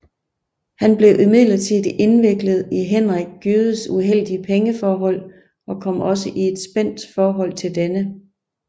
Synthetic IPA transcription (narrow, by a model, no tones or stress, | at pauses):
hænb̥le̝ʊʔimið̰ˠlɐt͡sʰið̰ˠe̝nʋe̝ɡ̥ləð̞̩ˠiɦen̰ʁaɡ̥̚jyːðˠəsuɦel̰d̥iəpʰeŋəfɒːɦɒ̽l̰ | ɒ̽kʰɒ̽m̰ɒ̽s̬əʔie̝d̥sb̥en̰d̥fɒːɦɒ̽l̰t͡sʰe̝ld̥enə